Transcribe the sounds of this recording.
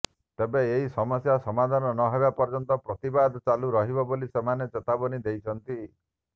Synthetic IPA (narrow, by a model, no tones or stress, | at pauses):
t̪ebeeɦisɔmɔsjasɔmad̪ʱanɔnɔɦebapɔɾd͡ʒɔnt̪ɔpɾɔt̪ibad̪t͡ʃaluɾɔɦibɔbolisemanet͡ʃet̪abɔnid̪ejt͡ʃʰɔnt̪i